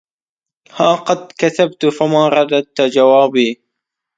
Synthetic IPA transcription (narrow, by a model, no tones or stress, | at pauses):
haːqɑd̪kaθabt̪famaːɾˤɑd̪ad̪̚t̪d͡ʒawaːbiː